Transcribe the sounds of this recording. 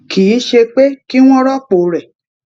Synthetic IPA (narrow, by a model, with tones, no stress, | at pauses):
ki˨i˨˦ʃe˧k͡pe˦ki˦w̃ɔ̃˦ɾɔ˦k͡po˨ɾɛ˨